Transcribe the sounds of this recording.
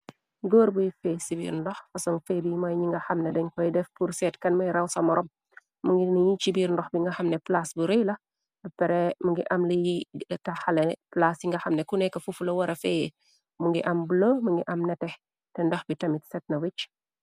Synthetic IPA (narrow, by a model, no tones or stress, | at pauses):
ɡoːɾbujifɛsibḭɾndɔxfɐsɔŋfɛbijimɐjɲiŋɡɐxɐmnɛdɛɲkɔjidɛfpuɾsɛtkɐnmɐjɾɐwsɐmɔɾʔɔm | muŋɡiniɲit͡ʃibiːɾndɔxbiŋɡɐxɐmnɛplasbuɾijlɐ | bɐpɛɾɛmuŋɡiʔɐmlɐjilɐtɐxɐlɛplasjiŋɡɐxɐmnɛkunɛkːɐfufulɐwɐɾʔɐfɛːjɛ | muŋɡiʔɐmbulomuŋɡiʔɐmnɛtɛ | tɛndɔxbitɐmitsɛt̚nɐwit͡ʃ